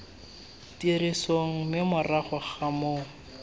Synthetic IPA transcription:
tirisoŋ̩mɪmʊraχɔχamoː

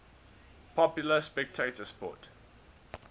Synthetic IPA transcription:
pʰɔpjʊləspɛk̚tʰetəspɔ̰t

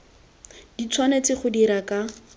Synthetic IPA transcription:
dit͡sʰwanet͡sɪχʊdiɾaka

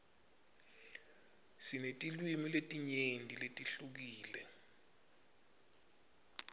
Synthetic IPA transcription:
sinetʼilwimiletʼiɲendʱiletʼiɬuk̬iːlɛ

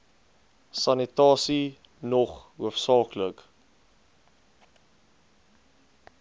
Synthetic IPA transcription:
sɐnitɑːsi | nɔχuəfsɑːklək

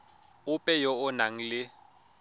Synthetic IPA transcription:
ʊpʼɛjɔɔnaŋ̩lɪ

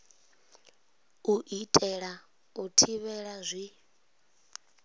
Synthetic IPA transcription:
uʔitʼɛɺa | utʰiβɛɺazʷi

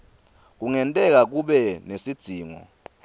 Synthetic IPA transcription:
k̬uŋɛntʼɛk̬ak̬uɓɛnesid̥z̥ʱiːŋɔ̰

